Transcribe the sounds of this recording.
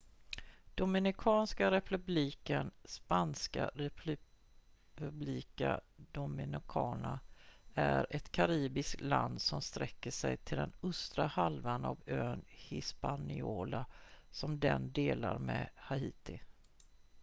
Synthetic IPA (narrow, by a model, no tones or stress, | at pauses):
d̪̥ʊmɪnɪkʰɑːnskaɾɛpʰɵbliːkənspanska̰ɾɛ | pɵbliːkad̪ʊmɪnɪkʰɑːnaæɾɛt̪kʰaɾiːbɪsk̪land̪sɔmst̪ɾɛkːəʂɛjt̪ʰɪld̪ɛnɵst̪ɾahalvanavøːnhɪspanɪoːlasɔmd̪ɛnd̪eːlaɾmɛhaiːt̪ɪ